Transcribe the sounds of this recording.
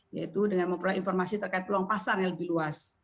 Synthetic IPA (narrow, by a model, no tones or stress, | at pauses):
ja̰it̪udəŋanməmpɾulainfɔrmasit̪ərkait̪̚pluaŋpasarjaləbɪluas